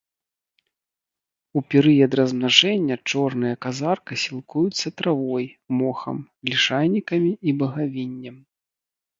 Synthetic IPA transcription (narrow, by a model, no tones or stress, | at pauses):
upʲɛɾɨjɐd̪rɐzmnaʐɛnʲːɐt͡ʂɔrnɨjɐkazarkɐsʲilˠkujut̪sːɐt̪ɾavɔjmɔxɐ̰m | lʲiʂajnʲikɐmʲiibɐɣavʲinʲːɐm